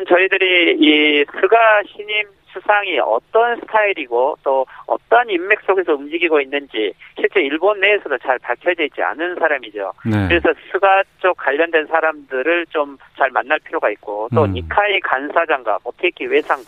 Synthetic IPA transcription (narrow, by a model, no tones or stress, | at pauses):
nt͡ɕʌidɯɾiisʰuɡaɕʰiɲim | sʰusʰaŋiʌ̰t͈ʌnsʰɯ̥tʰaiɾiɡot͈oʌ̰t͈ʌnimːe̞k̚s͈oɡe̞s̬ʰʌumd͡ʑiɡiɡoinːɯnd͡ʑiɕʰiɭt͡ɕ͈e̞iɭbonːe̞esʰʌdot͡ɕaɭpaɭkʰjʌded͡ʑ͈ia̰nɯnsʰaɾamid͡ʑo̰nkɯɾe̞sʰʌsʰuɡat͡ɕ͈ok͈aʎːʌndwe̞nsʰaɾamdɯɾɯɭt͡ɕomt͡ɕaɭmanːaɭpʰiɾjoɡait̚k͈ott͈oɲikʰaikansʰad͡ʑaŋɡa̰motʰek͈iwe̞sʰaŋɡa